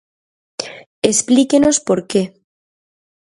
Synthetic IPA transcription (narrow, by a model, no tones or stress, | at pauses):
esplikeno̞spoɾke